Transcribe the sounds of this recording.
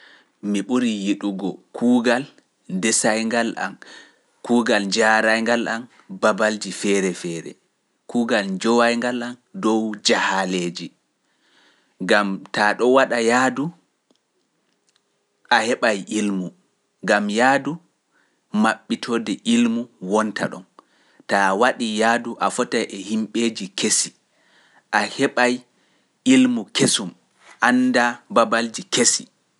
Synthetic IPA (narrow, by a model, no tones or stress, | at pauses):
miɓuɾijiɗuɡɔkʰuːɡal | ndɛsajŋɡala̰m | kuːɡald͡ʒaːɾajŋɡalʔam | babald͡ʒifɛɾɛfɛːɾɛ̰ | kuːɡald͡ʒɔwajŋɡalandɔwd͡ʒahaleːd͡ʒi | ŋɡamtaɗɔwaɗajadu | ʔahɛɓajʔilmu | ŋɡamjaːdu | maɓːitʰɔːdɛʔilmuwɔnta̰ɗɔ̰n | tawaɗijaːduʔafɔtajʔɛhimɓeːd͡ʒikesi | ʔahɛɓaj | ilmukesum | ʔandababald͡ʒikesi